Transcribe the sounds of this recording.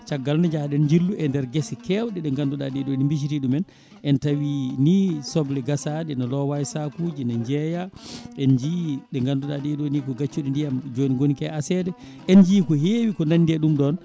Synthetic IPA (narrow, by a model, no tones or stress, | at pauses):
t͡ʃaɡːalnad͡ʒaɗɛnɲd͡ʒilːuʔɛndɛɾɡesɛkɛwɗɛɗɛŋɡanduɗaɗɛɗonimbiʃ̬iɾiɗumɛn | ʔɛntawinisɔblɛɡasadɛnalɔwajsakud͡ʒinaɲd͡ʒɛjaʔɛnd͡ʒiɗɛŋɡanduɗaɗɛɗonikɔɡat͡ʃːuɗindijamd͡ʒoniɡonikɛasɛdɛ | ʔɛnd͡ʒiːkɔɦewikɔnandɛɗumɗɔn